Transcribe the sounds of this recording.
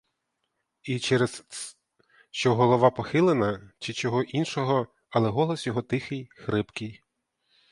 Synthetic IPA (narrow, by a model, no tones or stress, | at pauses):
it͡ʃɛɾes | ʃt͡ʃɔɦɔlˠɔʋɑpɔxɪlˠenɐt͡ʃɪt͡ʃɔɦɔʔinʃɔɦɔ | ɐlˠɛɦɔlˠɔsjɔɦɔt̪ɪxɪjxɾɪpkɪj